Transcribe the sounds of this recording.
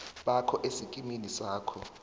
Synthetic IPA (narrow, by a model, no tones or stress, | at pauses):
ɓakʰɔʔesikʼiminisaːkʰɔ